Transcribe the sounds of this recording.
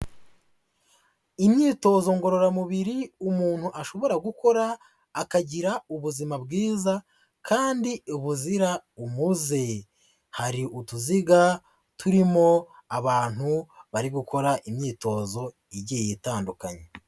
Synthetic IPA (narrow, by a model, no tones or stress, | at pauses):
imɲiːto̞ːzo̞ŋɡo̞ɾo̞ɾamuβiɾiumuːn̥huʔaʃo̞βo̞ɾaɡuko̞ɾaː | kaɟiɾauβuzimabɡiːza | kʰaːndiuβuziɾaumuze̞ | haɾiʔutuziɡa | tʰuɾimo̞aβaːn̥huβaɾiɡuko̞ɾaʔimɲiːto̞ːzo̞ | iɟijitaːndukaɲe